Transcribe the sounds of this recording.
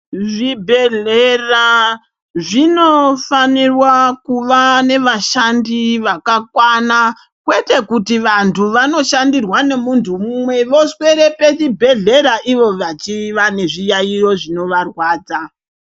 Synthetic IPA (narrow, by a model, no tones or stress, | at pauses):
ʐibʱe̞ɮera | ʐino̞fanirwakuʋane̞ʋaʃandiʋakakwana | kwe̞te̞kutiʋantʰuʋano̞ʃandirwane̞muntʰumumwe̞ʋo̞swe̞ɾe̞pe̞t͡ʃibʱe̞ɮe̞ɾaʔiʋo̞ʋat͡ʃiʋane̞ʐijairo̞ʐino̞ʋarwaːd͡za